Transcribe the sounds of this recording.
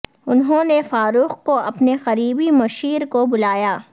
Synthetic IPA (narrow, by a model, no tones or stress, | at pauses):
ʊnɦõːnefaːɾuːxkoʔɐpnexɐɾiːbimɐʃiːɾkobʊlaːjaː